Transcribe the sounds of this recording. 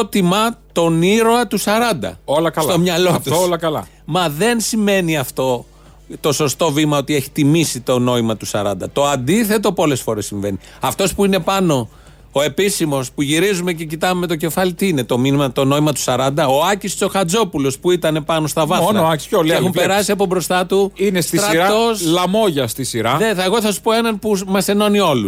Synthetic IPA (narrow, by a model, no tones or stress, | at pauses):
t̪imɐt̪o̞niɾo̞ɐt̪usɐɾɐnd̪ɐ̰olɐkɐst̪o̞mɲɐlo̞t̪uslɐkɐlɐ̰ | mɐðe̞nsime̞niɐft̪o̞ | t̪o̞so̞st̪o̞vimɐo̞t̪ie̞çi̥t̪imisit̪o̞no̞imɐt̪usɐɾɐnd̪ɐt̪o̞ɐnd̪iθe̞t̪o̞po̞le̞sfo̞ɾe̞sːiɱve̞ni | ɐft̪o̞spuine̞pɐno̞ː | e̞pisimo̞spuʝiɾizume̞ce̞cit̪ɐume̞t̪̬o̞ce̞fɐlit̪iine̞t̪o̞minimɐt̪o̞no̞imɐt̪u̥sɐɾɐnd̪ɐoɐcist͡so̞xɐd͡zo̞pulo̞spuit̪ɐne̞pɐno̞st̪ɐvɐnɐolexumpeɾɐsiɐpo̞bɾo̞st̪ɐt̪uinest̪ɾɐɾɐt̪oslɐmo̞ʝɐst̪isiɾɐðeeɣo̞θɐsu̥po̞e̞nɐnpumɐse̞no̞nio̞lus